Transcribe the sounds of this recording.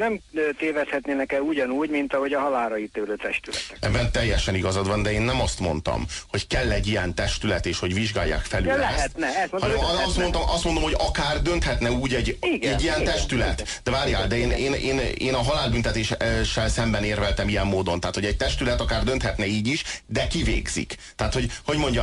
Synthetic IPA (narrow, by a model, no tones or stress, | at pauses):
nɛmːt̪eːvɛshɛt̪neːnɛkɛluɟɒnuːɟmint̪ɒɦo̞ɟɒɦɒlaːlɾɒjit̪eːløːt̪ɛʃt̪ylɛ̰ɛɛ̰bːɛnt̪ɛjːɛʃɛniɡɒzɒd̪ʋɒnd̪ɛeːnːɛmɒst̪mo̞nt̪ɒ̰mho̞ckɛlːɛɟːijɛnt̪ɛʃt̪ylɛt̪eːʃho̞ɟviʒɡaːjːa̰ːkfɛlyɛst̪nɛɒnɛmɒst̪mont̪ɒmʔɒst̪mond̪omho̞ɟɒkaːrd̪ø̞nt̪hɛt̪nɛuːɟɛɟɛɟːijɛnt̪ɛʃt̪ylɛ̰t̪ | d̥̪ɛvaːɾja̰ːld̪ɛeːneːneːneːnɒɦɒlaːlbynt̪ɛt̪eːʃʃːɛlsɛmbɛneːrvɛlt̪ɛmijɛmːoːd̪o̞nt̪aːt̪ho̞ɟɛɟ̚t̪ɛʃt̪ylɛt̪ɒkaːrd̪ønt̪hɛt̪nɛiːɟiʃd̪ɛkivḛːɡz̥ḭkt̪aːt̪ho̞ɟho̞ɟmoɲɟɒ